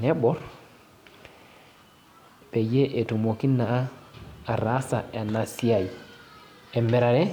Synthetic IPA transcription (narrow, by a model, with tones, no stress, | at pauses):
nɛ˦bɔ˦ɾ | pe˨je˦ʔe˨tu˨mo˨ki˦nːa˨a˦a˨ɾa˦sa˨ʔe˨na˨si˦a˨j | e˨me˨ɾa˨ɾe˦